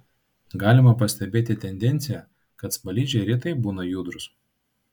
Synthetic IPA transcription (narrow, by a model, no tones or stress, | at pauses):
ɡɑːlʲɪmɐpɐsʲt̪ʲɛbʲeːt̪ʲɪt̪ʲɛnʲd̪ʲɛnʲt̪sʲɪjɛ | kɐt̪spɐlʲiːd͡ʒʲɛɾʲiːt̪ɐɪbuːnɐjuːd̪ɾʊs